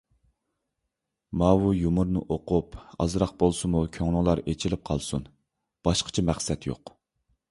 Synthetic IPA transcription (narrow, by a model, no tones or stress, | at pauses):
mɑːwujumʊɾnɨʔoqʊpɑ̰zɾɑq̚bolˠsɨmukʲʰøŋlˠʊŋlˠɑɾet͡ʃʰilɪp̚qʰɑlˠsun | b̥ɑʃqʰə̥t͡ʃʰɛmæχsɛt̪jo̰q